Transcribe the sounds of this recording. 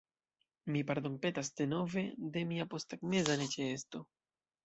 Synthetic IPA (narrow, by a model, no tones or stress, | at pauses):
mipaɾd̪o̞mpe̞tasd̪e̞no̞ve̞de̞miapo̞staɡme̞zanet͡ʃeesto̞